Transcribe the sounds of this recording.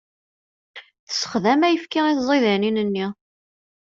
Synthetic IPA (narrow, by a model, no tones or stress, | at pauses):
θə̥sə̥χðæmæjəfkiʁiθzˤiðæninənːi